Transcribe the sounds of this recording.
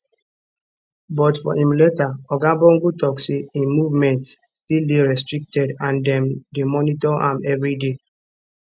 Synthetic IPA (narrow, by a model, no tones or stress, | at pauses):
bɔtfɔ̰ĩmletaɔɡãbɔ̃ŋɡutɔksiĩnmuvmɛ̃ntsːtildeɹɛstɹik̚tɛdãndɛ̃mdemɔnitɔʔa̰mɛvɹide